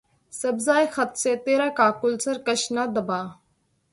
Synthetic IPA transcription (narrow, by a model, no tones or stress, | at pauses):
səbzaːjxɐt̪seːt̪eːɾaːkaːkʊlsəɾkəʃnaːd̪əbaː